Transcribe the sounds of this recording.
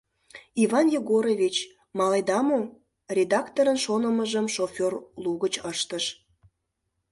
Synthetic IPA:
ivɑnjeɣoɾovʲit͡ɕ | mɑlejd̪ɑmo | rʲed̪ɑkt̪oɾənʃonəməʒəmʃofʲorluɣət͡ɕəʃt̪əʃ

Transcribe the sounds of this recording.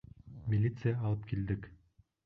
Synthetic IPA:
mʲɪlʲit̪sɨjaɑlˠɤpkild̪ɪk

